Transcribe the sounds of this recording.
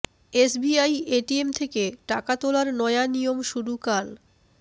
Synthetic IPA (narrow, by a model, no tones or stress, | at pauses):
esbiajeʈiemt̪ʰekeʈakat̪olaɾnɔeanijomʃuɾukal